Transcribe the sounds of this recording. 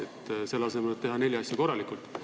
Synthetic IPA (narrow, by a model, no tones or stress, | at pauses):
et̪se̞lːɑse̞melet̪e̞ɦɑne̞lʲːiɑsʲjɑko̞rːɑlikultt̪